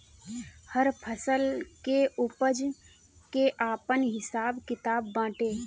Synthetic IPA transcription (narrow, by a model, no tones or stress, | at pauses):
həɾpʰəsəlkeʊpəd͡ʒ | keʔaːpənɦɪsaːbkɪt̪aːbːãːʈeː